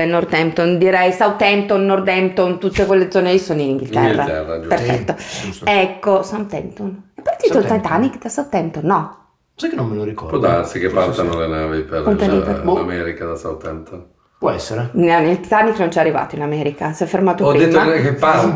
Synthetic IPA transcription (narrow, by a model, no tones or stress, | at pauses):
enord̪ɛmt̪ond̪iɾɛjsawt̪ɛmt̪onːord̪ɛmt̪ont̪ut̪ːekwelːed̪zɔːnelisoːnoiniŋɡilt̪ɛ̰rːaɛrːaperffɛ̰t̪ːoɛkːosant̪ɛmt̪onepːɔjat̪ːiot̪at̪anikd̪asawt̪ɛmt̪onːɔ | sajkːenːomːeloɾikɔ̰ɾpɔd̪asikepːat̪anolenavipepɔaliamɛɾikad̪asa̰wt̪ɛmt̪on | pwɔɛsːeɾennilt̪aniknont͡ʃɛarːiva̰ːt̪oinamɛɾikasɛfːermaːt̪oɔdpɾiemt̪ːoakepa